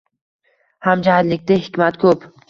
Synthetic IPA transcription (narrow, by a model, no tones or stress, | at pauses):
hamd͡ʒahɪd̪lɪkʲt̪ɪhɪkʲmat̪kʰɵp